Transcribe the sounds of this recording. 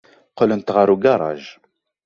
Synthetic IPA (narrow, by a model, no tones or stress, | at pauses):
qələnt̪ʁəɾuɡɑɾˤɑ̰ʒ